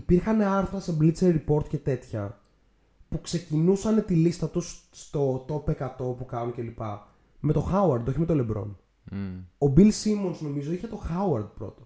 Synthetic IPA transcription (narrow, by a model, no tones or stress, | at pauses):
ipiɾxɐne̞ɐɾθɾɐseblit̪seɾɾipo̞ɾt̪ce̞t̪e̞t̪çɐ | pukse̞cinusɐne̞t̪ilist̪ɐt̪usːt̪o̞t̪o̞pe̞kɐt̪o̞pukɐnuce̞lipɐ | me̞t̪o̞xɐuɐɾd̪o̞çime̞t̪o̞le̞bɾo̞̰n | o̞bilsimo̞nsno̞mizo̞içet̪o̞xɐuɐɾd̪̚pɾo̞̰t̪o̥